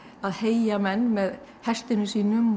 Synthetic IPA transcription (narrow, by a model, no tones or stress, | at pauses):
aðheːjjamɛnːmɛð | hɛst̪ɪnʏsiːnʏm